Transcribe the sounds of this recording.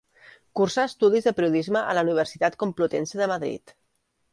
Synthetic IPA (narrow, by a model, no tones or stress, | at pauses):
kursaəst̪uð̞izðəpɾiuðizməʔə̰ləuniβ̞ərsit̪at̪kumplut̪ɛnsəðəmaðɾḭt̪